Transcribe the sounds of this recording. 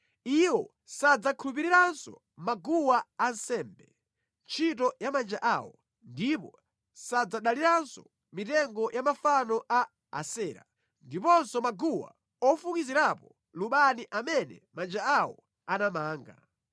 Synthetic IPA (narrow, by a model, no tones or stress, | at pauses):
iwɔ | sad͡zakʰulupiɾiɾansɔ̰ | maɡuwaansɛːmbɛ | nt͡ʃʰitɔjamand͡ʒaʔawɔ | ndipɔ | sad͡zaɗaliɾansɔ | mitɛŋɡɔjʔamafanɔʔa̰ː | sɛːɾa̰ | ndipɔnsɔmaɡuwa̰ | ɔfukiziɾapɔ | luɓaniʔamɛnɛ̰mand͡ʒaawɔ̰ | anamaːŋɡa̰